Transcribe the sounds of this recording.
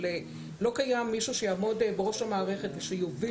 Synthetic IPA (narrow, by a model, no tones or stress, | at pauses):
le | lo̞kajamːiʃuʃejaːmo̞dbeʁo̞ʃamaːʁe̞χe̞t̪veʃejovi